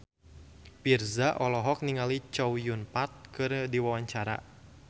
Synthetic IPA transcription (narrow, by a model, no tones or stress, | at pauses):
pirzaʔɔlɔɦɔk̚niŋalit͡ʃɔwjunpat̪̚kɨrdiwawaɲt͡ʃaɾa̰